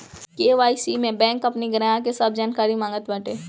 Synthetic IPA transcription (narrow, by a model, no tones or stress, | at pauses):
keːʋaːisimẽbɛ̃ːŋkɐpniɡɾajãkesab̚ʰd͡ʒaːnkaːɾimãːŋɡət̪bɛʈeː